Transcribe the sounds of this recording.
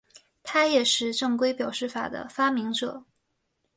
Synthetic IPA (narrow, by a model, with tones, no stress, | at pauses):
t̪ʰa˥jɛ˨˩ʂɻ̩˥˧ʈ͡ʂɤ˥˩ŋkwe˥ɪpjɑ˨˩ʊʂɻ̩˥˩fa̰˨˩d̪ə̰˦fa˥mi˧˥ŋʈ͡ʂɤ˨˩˦